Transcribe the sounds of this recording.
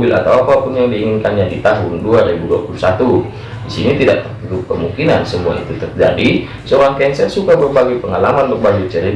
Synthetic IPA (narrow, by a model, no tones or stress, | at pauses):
bɪlʔa̰t̪awapapʊnjaŋdiːŋɪnkanjadit̪aɦʊnduaɾibudua̰pulusat̪u | disinit̪ida̰ʔtərudup̚kəmuŋkinansəmua̰ḭt̪ut̪ərd͡ʒa̰di | soɾaŋkansajasukabərbaɡajpəŋalamanbərbad͡ʒut͡ʃəɾi